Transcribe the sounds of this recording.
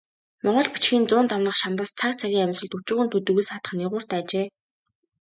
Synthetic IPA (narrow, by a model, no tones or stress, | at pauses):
mɔɴɢɞ̆ɮpi̥t͡ɕxiːnt͡sʊːnt̪awnə̆χʃamt̪aːst͡sʰak̚t͡sʰaɣʲiːŋæmʲsə̆ɮt̪ut͡ɕuːɣɘ̆nt̪ʰɵt̪ɵɣɘ̆sχat̪ə̆χniʁʊːr̥t̪æːt͡ɕeː